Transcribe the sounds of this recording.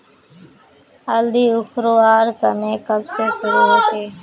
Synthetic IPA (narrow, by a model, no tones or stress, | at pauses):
əld̪iːʊxʰɾoːaːɾsəmeːkəbseːsʊɾuːɦoːt͡ʃʰeː